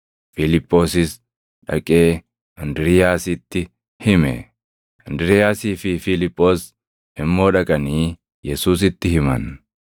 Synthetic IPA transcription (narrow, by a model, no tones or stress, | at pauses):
fɪlɪpʼːo̞ːsɪs | ᶑɐ̰kʼeː | ʔɐnd̪ɪɾɪjaːsɪt̪ːɪ | hɪmɛ̰ | ɐnd̪ɪɾɪjaːsiːfɪfɪlɪpʼːo̞ːs | ɪmːo̞ːᶑɐkʼɐniː | jɛsuːs̬ɪt̪ːɪhɪmɐ̰n